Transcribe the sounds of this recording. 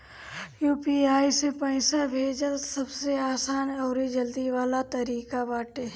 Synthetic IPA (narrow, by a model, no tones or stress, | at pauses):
juːpiaːisepə̃ɪsabʱeːd͡ʒəlsɐbseaːsaːnɔːɾid͡ʒəld̪iʋaːlat̪ɐɾiːkabaːʈe